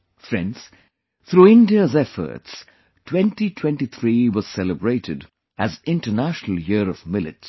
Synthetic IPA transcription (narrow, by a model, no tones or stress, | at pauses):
fɾɛ̰̃nɖs | t̪ʰɾuɪ̃ndiəzɛfə̰ɾts | tʰwɛ̃nʈitʰwɛ̃nʈit̪ʰɾiwɔz̥sɛləbɹeɪtɪd | æzɪ̃nʈənæʃnəl̩ˠjiəɾɔvmɪlɪ̰ts